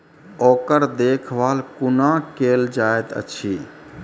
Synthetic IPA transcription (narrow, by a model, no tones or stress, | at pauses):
okəɾd̪ekʰʋalkunakeld͡ʒaet̪ə̰t͡ʃʰi